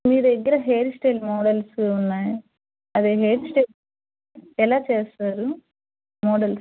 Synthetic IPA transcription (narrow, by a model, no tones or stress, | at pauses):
miːɾd̪ɛɡːɐɾɐɦeːɾsʈeːlmɔːɽɐlsunːaːji | ɐd̪eːɦeːʈsʈe | ɛlaːt͡ʃeːst̪aːɾu | mɔːɖɐls